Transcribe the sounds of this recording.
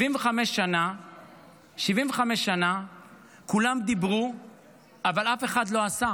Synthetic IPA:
imveχameʃːana | ʃivimveχame̞ʃːana | kulamd̪ibʁu | avalafe̞χad̪lo̞asa

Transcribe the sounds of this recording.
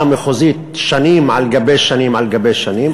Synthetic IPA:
mexoziːt̪ʃaniːmʕa̰lɡabejʃanimʕalɡabejʃaniːm

